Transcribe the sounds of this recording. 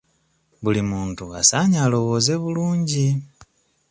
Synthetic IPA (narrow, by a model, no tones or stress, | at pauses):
βulimuːntua̰saɲalo̞βo̞ze̞βuluːɲɟi